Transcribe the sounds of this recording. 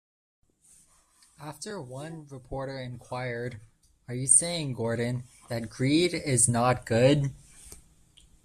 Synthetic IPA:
æftə˞wʌ̃nɹɨpʰɔɹɾə˞ɨ̃nkʰw̥aɪə˞ɾ | ə˞jɨseɪɪ̃ŋɡɔɹdⁿn̩ | ðɨt̚ɡ̥ɹiɾɪznət̚ɡ̥ʊd̚

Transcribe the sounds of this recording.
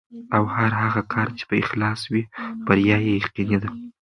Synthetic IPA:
awhaɾɦaɣakʰɑɾt͡ʃe̥pəɪxlɑswib̥aɾjɑjejaqinid̪a

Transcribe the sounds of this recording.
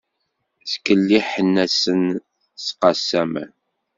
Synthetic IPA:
θkəlːiħənːæsən | sqɑsːæmə̰n

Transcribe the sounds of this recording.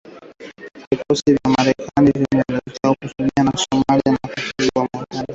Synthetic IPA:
vikɔsivjamaɾɛkanivimɛndɛɛkɛaukutumianasɔmalianakatilwaakali

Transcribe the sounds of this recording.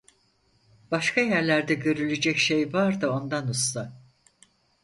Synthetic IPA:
b̥aʃkʰajæɾlʲæɾd̪ɛɟø̞ɾylʲed͡ʒɛcʃe̞jvaɾd̪ɯo̞nd̪anust̪a

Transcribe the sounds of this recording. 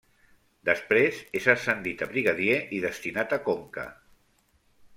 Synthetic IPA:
d̪əspɾezezəsənd̪it̪əβɾiɣaðjeʔiðəst̪inat̪əkoŋkə̰

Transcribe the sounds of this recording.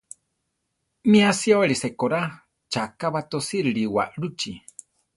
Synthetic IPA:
miasiaweɾisekoɾa | t͡ʃakaβat̪osiɾɨɺiwa̰ʔɺut͡ʃi

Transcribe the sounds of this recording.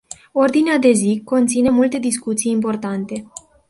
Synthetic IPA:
o̞rd̪inead̪e̞ziko̞nt̪sine̞mult̪e̞d̪iskut̪sijimpo̞rt̪ant̪e̞

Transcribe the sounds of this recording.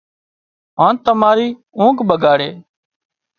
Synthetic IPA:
ɦãːnt̪əmaːɾiːũːkbəɡaːɽeː

